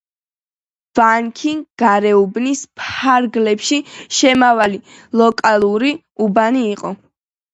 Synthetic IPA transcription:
vaŋkʰiŋɡɡaɾɛubnispʰaɾɡlɛpʃiʃɛmavali | lˠɔkʼalˠuɾi | ubaniːqʼɔ

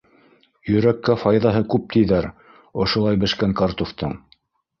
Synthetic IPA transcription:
jɵ̆ɾækːæfɑjðɑɦɤkʉp̚t̪ɘ̆jðæɾ | ŏʃŏlˠɑjbɘ̆ʃkæŋkɑɾt̪oft̪ɤɴ

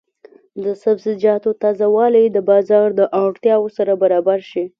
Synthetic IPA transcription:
d̪əsabzɪd͡ʒɑt̪ot̪ɑzawɑlejd̪əbɑzɑɾd̪əʔɑɽt̪jɑwosaɾabaɾɑbaɾʃi

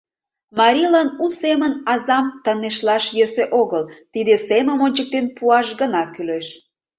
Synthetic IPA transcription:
mɑɾʲilɑnusemənɑzɑmt̪əneʃlɑʃjøseʔoɣəlt̪id̪eseməmonʲt͡ɕək̚t̪enpuɑʃɡənɑkyleʃ

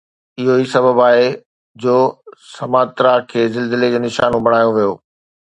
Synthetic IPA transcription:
ɪɦoisɐbəbaːɦe | d͡ʑoːsɐmaːt̪ɾakʰeːzɪlzɪled͡ʑoːnɪʃa̰ːnũbɐɽ̃aːjõʋijoː

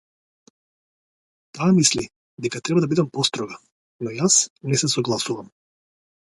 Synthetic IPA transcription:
t̪aːmisli | d̪ɛkat̪ɾɛbad̪abid̪ɛmpɔst̪ɾɔɡa | nɔjasnɛsɛsɔɡlˠasuvam

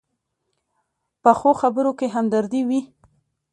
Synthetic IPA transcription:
pəxoxabəɾokeɦamd̪aɾd̪iwi

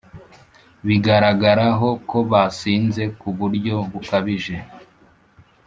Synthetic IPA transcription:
βiɡaɾaɡaɾaɦo̞ko̞βasiːnze̞kuβuɾɟo̞βukaβiʒe̞

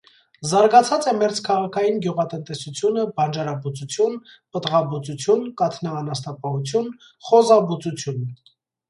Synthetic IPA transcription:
zɑɾɡɑt͡sʰɑt͡sɛmɛɾt͡skʰɑʁɑkʰɑjinɡjuʁɑt̪ənt̪ɛsut͡sʰjunəbɑnd͡ʒɑɾɑbut͡sut͡sʰjun | pət̪ʁɑbut͡sut͡sʰjunkɑt̪ʰnɑːnɑst̪ɑpɑhut͡sʰjun | χɔzɑbut͡sut͡sʰjun

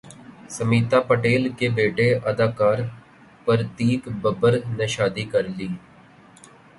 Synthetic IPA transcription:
səmiːt̪apəʈeːlkebeːʈeʔəd̪aːkaːɾ | pəɾt̪iːkbəbəɾneʃaːd̪ikəɾliː

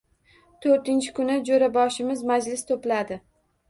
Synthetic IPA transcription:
t̪ʰoɾt̪ɪnt͡ʃʰɪ̥kʰʊnɪd͡ʒoɾabɒʃɪmɪzmad͡ʒlɪst̪ʰoplad̪ɪ

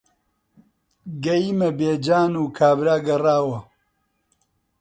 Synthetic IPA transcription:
ɡɐjiːmɐbeːd͡ʒaːnuːkʰaːbɾaːɡɐraːwɐ

